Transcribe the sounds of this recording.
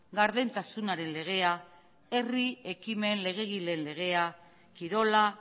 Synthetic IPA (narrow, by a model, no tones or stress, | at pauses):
ɡaɾðe̞nt̪asunaɾe̞nle̞ɣ̞e̞a | e̞rie̞kime̞nle̞ɣ̞e̞ɣ̞ile̞nle̞ɣ̞e̞a | kiɾo̞la